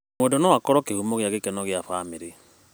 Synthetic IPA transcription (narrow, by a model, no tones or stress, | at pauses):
modonɔwakɔɾɔkehumoɣjaɣekɛnɔɣjafameɾe